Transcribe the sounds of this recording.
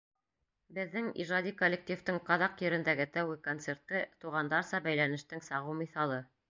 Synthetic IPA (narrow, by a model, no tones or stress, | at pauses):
bɘ̆ðːɘŋḭʒɑd̪ikolʲːek̚t̪ʲift̪ɤɴqɑðɑqjɵ̆ɾɘ̆nd̪æɡɘt̪æwɘkont̪se̞ɾt̪ːɤt̪uʁɑnd̪ɑɾsɑbæjlænɘ̆ʃt̪ɘŋsɑʁɤwmiθɑlˠɤ